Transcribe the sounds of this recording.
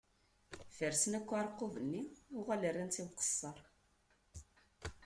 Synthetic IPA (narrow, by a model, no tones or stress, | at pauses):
fəɾsənækʷːaɾˤqːovənːiuʁælərˤːint͡simqə̥sˤːɑɾˤ